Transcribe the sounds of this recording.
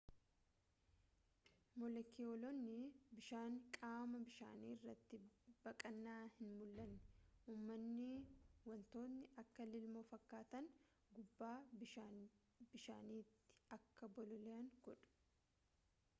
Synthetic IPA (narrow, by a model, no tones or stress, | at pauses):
mɔlɛkːɪolɔnːɪbɪʃaːŋkʼaːmɐbɪʃa̰ːniːɪrːɐt̪ːɪbɐkʼɐnːaːhɪnmʊlːɐnːɛ̥uːmːɐnːɪwɐnt̪o̞ːnːɪʔɐkːɐlɪlmoːfɐkːaːt̪ɐn | ɡʊbːaːbɪʃan | bɪʃa̰ːniːt̪ːɪ̥ɐkːɐbɔlɔlɛɐŋɡɔᶑʊ̥